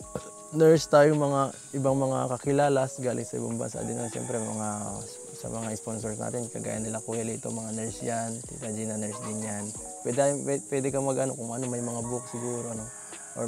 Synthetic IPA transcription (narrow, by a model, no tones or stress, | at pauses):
nɛɹst̪aːjoŋmɐŋaʔɪbaŋmɐŋa̰kɐkɪlaːlasɡaːlʔɪ̰ŋsɐʔɪ̰baŋbɐ̰nsa̰d̪ɪnɐʃɛ̰mpɾɛmɐŋa | sɐ̰mɐŋaɪsponsoɹsna̰ːt̪ɪnkɐɡa̰ːjɐ̰nːɪlakuhɛlɪʔɪ̰t̪o̞̰ŋmɐŋanɛɹsjant̪ḭt̪ɐd͡ʒinɐnɛɹsd̪ɪnjan | pwɛd̪jɛpwɛd̪ɛkɐmɐɡʔɐno̞̰kʊŋʔɐno̞mɐjmɐŋabʊk̚sɪɡuːɾo̞ɐno̞ | ʔo̰